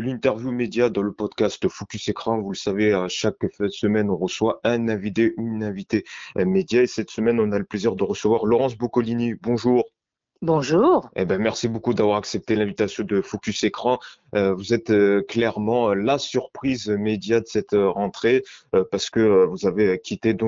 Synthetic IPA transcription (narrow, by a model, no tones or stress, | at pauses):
lĩnt̪ɛʁvjumed̪jad̪ɑ̃ləpɔd̪kast̪fɔkʲysekχɑ̃vuləsaveaʃaksəmɛnɔ̃ʁəswaɛ̃nɛ̃vid̪euynɛ̃vit̪emed̪jaesɛt̪səmɛnɔ̃naləpleziʁd̪əʁəsəvwaʁlɔʁɑ̃sbokɔlinibɔ̃ʒuːʁ | bɔ̃ʒuʁḛbɛ̃mɛʁsibokud̪avwaʁaksɛp̚t̪elɛ̃vit̪asjɔ̃d̪əfɔkʲysekχɑ̃ | øvuzɛt̪øklɛʁmɑ̃lasyʁpχizmed̪jad̪əsɛt̪øʁɑ̃t̪χepaʁsə̥kəøvuzavekʲʰit̪ed̪ɔ̃